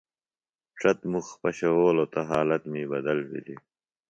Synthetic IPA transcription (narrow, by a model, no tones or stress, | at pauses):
ʈ͡ʂʰɐt̪muxpɐɕɐwoːlot̪ɐɦaːlɐt̪miːbɐd̪ɐlwḭli